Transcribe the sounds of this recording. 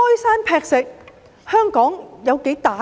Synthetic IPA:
ɔː˥jsaː˥npʰɛː˧k̚sɪ˨k̚ | hœː˥ŋkɔː˨˥ŋjɐ˨˧wke˨˥jt̪aː˨

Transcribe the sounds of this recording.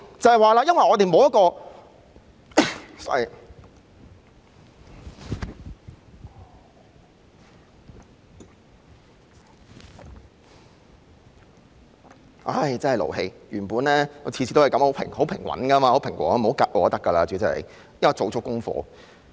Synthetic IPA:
t͡sɐ˨˧hɐ˨jwaː˨laː˧jɐ˥nwɐ˨jʔɔː˨˧t̪e˨jmo˨˧wjɐ˥tkɔː˧ | sa˨˩ | ʔa˧˥jt͡sɐ˥nhɐ˨jlo̰˨˩whe˧jjyː˨˩puː˨˥nlɛː˥ɔ˨˧t͡sʰi˧sʰiː˨˧t̪o˥wjkɐ˨˥mho˨˧˥pʰɪ̰˨˩ŋho˨˥wpʰɪ˨˩ŋwɐ̰˨˥nkɐ˥maː˧ho˨˥wpʰɪ˨˩ŋkʷwɔ̰ː˨˩˧m̩˨˩o˨˥wka˧k̚ʔɔː˨˧˥t̪ɐ˥kːɐ˧laː˧t͡syː˨˥t͡sɐ˨˧˩hɐ̰˨j | jɐ˥kːɔ˨˩t͡so˨˧wt͡sʰʊ˥kːʊ˥ŋfɔ̰ː˧

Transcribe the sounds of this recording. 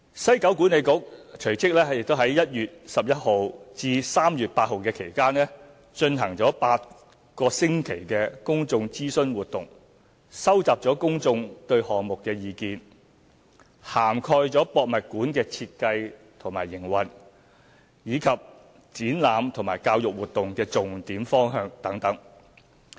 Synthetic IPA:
sɐ˥jkɐ˨˥wk̬uː˨˥ne˨˧jkʊ˨˥k̚t͡ʃʰɵ˨˩ɥt͡sɪ˥k̚lɛː˥jk̚t̪o˥wɦɐ˨˥jɐ˥t̚jyː˨t̚sɐ˨p̚jɐ˥t̚ho˨˧wt͡siː˧saː˥mjyː˨t̚paː˧t̚ho˨wkɛː˧kʰe˨˩jkaː˥nlɛ˥ | t͡ʃɵ˧nɦɐ˨˩ŋt͡sɔː˨˥paː˧t̚ | kɔː˧sɪ˥ŋkʰe˨˩jkɛː˧kʊ˥ŋt͡sʊ˧ŋt͡siː˥sɵ˥nwuː˨t̪ʊ˨ŋ | sɐ˥wt͡saː˨p̚t͡ʃɔː˨˥kʊ˥ŋt͡sʊ˧ŋt̪ɵ˧ɥhɔː˨ŋmʊ˨kːɛː˧jiː˧kiː˧n | haː˨˩mkʰɔː˧jt͡sɔː˨˥pɔː˨k̚mɐ˨t̚kuː˨˥nkɛː˧t͡sʰiː˧t̚kɐ˧j | t̪ʰʊ˨˩maː˨˩jːɪ˨˩ŋwɐ˨n | jiː˨˧kʰɐ˨p̚ | t͡siː˨˥nlaː˨˧mt̪ʰʊ˨˩ŋmaː˨˩jkaː˧wjʊ˨k̚wuː˨˩t̚t̪ʊ˨ŋkɛː˧t͡sʊ˨ŋt̪iː˨˥mfɔː˥ŋɦœː˧ŋt̪ɐ˨˥ŋt̪ɐ˨˥ŋ

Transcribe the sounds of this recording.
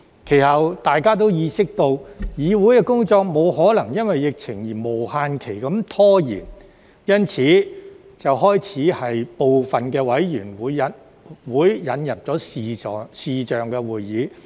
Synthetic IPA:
kʰe˨˩jhɐ˨wt̪aː˨jkaː˥t̪̬o˥wjiː˨˧sɪ˥k̚t̪o˧wjiː˨˧wuː˨˥jkɛ˧kʊ˥ŋt͡sɔː˨˧k̚mo˨˧whɔː˨˥lɐ˨˩ŋjɐ˥nwɐ˨jːɪ˨k̚t͡sʰɪ˨˩ŋjiː˨˩mo˨˩whaː˧nkʰe˨˩jkɐ˨˥mt̪ʰɔː˥jiː˨˩n | jɐ˥nt͡sʰiː˨˥ | t͡sɐ˨wɦɔː˥jt͡sʰiː˨˥hɐ˨jpo˨wfɐ˨nkɛː˧wɐ˨˥jjyː˨˩nwuː˨˧jɐ˨˥ | wuː˨˥jːɐ˨˥njɐ˨p̚t͡sɔː˨˥siː˨ɔː˨siː˨t͡ʃœː˨ŋkɛː˧wuː˨˩jːiː˨˥

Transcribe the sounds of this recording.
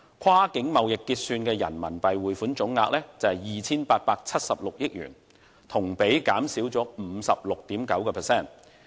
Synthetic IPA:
kʷʰwaː˥kɪ˨˥ŋmɐ˨wjɪ˨kːiː˧t̚syː˧nkɛː˧jɐ̰˨˩nmɐ̰˨˩npɐ˨jwuː˨˩jfu˨˥nt͡ʃʊ˨˥ŋːaː˧k̚lɛː˥t͡sɐ˨˧hɐ˨jjiː˨t͡sʰiː˥npaː˧t̚paː˧k̚t͡sʰɐ˥t̚sɐ˨p̚lʊ˨k̚jɪ˥k̚jy̰ː˨˩n | t̪ʰʊ˨˩ŋpe˨˥jkaː˨˥msiː˨˥wt͡sɔː˨˥m̩˨˧˦sɐ˨p̚lʊ˨k̚t̪iː˨˥mkɐ˨˥wkɛː˧pʰɛː˨sɛː˥˩n

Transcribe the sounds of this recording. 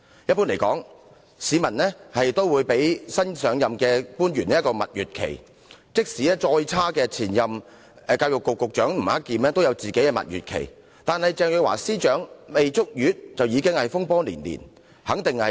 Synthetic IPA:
jɐ˥t̚pːu˥nle˨˩jkɔ̰ː˨˥ŋ | siː˨˧mɐ˨˩nlɛː˥hɐ˨jt̪o˥wwuː˨˧jpe˨˥jsɐ˥nsœː˨˧ŋjɐ˨mkɛː˧puː˥nɥyː˨˩nɛ˦jkːɔː˧mɐ̰˨t̚jyː˨t̚kʰḛ˨˩j | t͡sɪ˥k̚siː˨ɛː˥t͡ʃɔː˧jt͡sʰaː˥kɛː˧t͡sʰiː˨˩njɐ˨m˧ | kaː˧wjʊ˨kːʊ˨kːʊ˨k̚t͡ʃœː˨˥ŋm̩˨˩ha˥kːiː˨mɛː˥t̪o˥wjɐ˨˧wt͡siː˨ke˨˥jkɛ˧mɐ̰˨t̚ɥyː˨t̚kʰḛ˨˩j | t̪aː˨nhɐ˨jt͡sɛː˨˧ŋjɵ˨˧wa̰ː˨˩siː˥t͡ʃœː˨˥ŋme˨jt͡sʊ˥k̚jyː˨˥t̚t͡sɐ˨wjiː˨˧kɪ˥ŋhɐ˨jfʊ˥ŋpɔː˥lḭː˨˩nlḭː˨˩n | hɐ˨˥ŋt̪ɪ˨ŋhɐ˨

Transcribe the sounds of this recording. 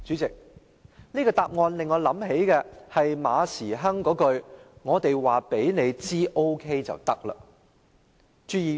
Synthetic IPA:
t͡ʃyː˨˥t͡sɪ˨k̚ | niː˥kɔː˧t̪aː˨˧p̚ŋɔː˧nlɪ˨ŋːɔː˨˧lɐ˨˥mɦe˨˥jkɛː˧hɐ˨jma̰ː˨˧siː˨˩ɦɐ˥ŋkɔː˨˥kɵ˧ɥŋɔː˨˧t̪e˨jwaː˨pe˨˥jne˨˧jt͡siː˥ʔo˥wkʰe˥jt͡sɐ̰˨wt̪ɐ˥k̚lɐ̰ː˧ | t͡ʃyː˧˥jiː˧

